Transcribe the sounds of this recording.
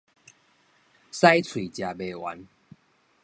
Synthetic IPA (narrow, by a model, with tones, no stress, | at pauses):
sa˦jt͡sʰwi˨˩t͡ɕja˨˩be˨wa̰˨˦n